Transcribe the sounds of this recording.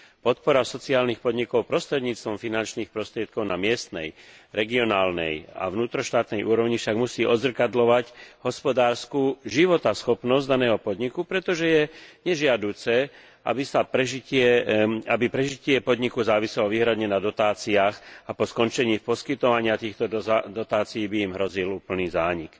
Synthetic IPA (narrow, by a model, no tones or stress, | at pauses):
pɔt̪̚pɔɾasɔt͡siaːlnixpɔd̪ɲikɔʊpɾɔst̪ɾɛd̪ɲiːt͡st̪ʋɔmfinant͡ʃniːxpɾɔst̪ɾɪɛt̪̚kɔʊnamɪɛst̪nɛ̰jɾɛɡiɔnaːlnɛ̰ja̰vnuːt̪ɾɔʃt̪aːt̪nɛjʔuːɾɔʊɲifʃaɡmusiːʔɔd̪zr̩kad̪lɔʋacɦɔspɔd̪aːɾskuːʒiʋɔt̪asxɔpnɔzɟd̪anɛːɦɔpɔd̪ɲikupɾɛt̪ɔʒɛjɛɲɛʒɪad̪uːt͡sɛ | ʔa̰bisapɾɛʒicɪɛabipɾɛʒicɪɛpɔd̪ɲikuzaːʋisɛlɔʋiːɦɾad̪ɲɛnad̪ɔt̪aːt͡siaːxapɔskɔnt͡ʃɛɲiːfpɔskit̪ɔʋaɲɪat̪iːxt̪ɔd̪ɔt̪aːt͡sijiːbiimɦɾɔziluːpl̩niːzaːɲik